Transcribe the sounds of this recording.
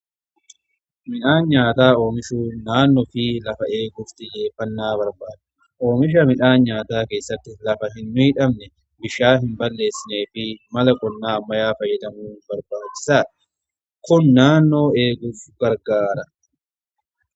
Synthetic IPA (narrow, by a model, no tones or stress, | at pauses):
mɪᶑaːnɲaːt̪aːo̞ːmɪʃuːnaːnːɔfɪlɐfɐeːɡʊft̪ɪd͡ʒe̞ːfːɐnːaːβɐɾbaːd̪ɪ | ʔo̞ːmɪʃ̬ɐmɪᶑaːnɲaːt̪aːke̞ːsːɐt̪ːɪlɐfɐɦɪnːiːᶑɐmnɛ | bɪʃaːɦɪmbɐlːe̞ːsːɪne̞ːfɪmɐlɐkʼɔnːaːmːɐjaːfɐjːɛd̪ɐmuːbɐɾbaːt͡ʃːɪ̥saː | kʊnːaːnːo̞ːe̞ːɡʊfɡ̥ɐɾɡaːɾɐ